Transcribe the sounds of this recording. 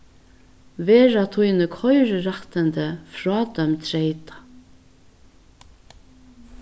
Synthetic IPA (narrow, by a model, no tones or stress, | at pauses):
ʋeːɹat̪ʰujnəkʰɔjɾɾaht̪ənt̪əfɹɔːd̪œmt̪ʰɾejt̪ḁ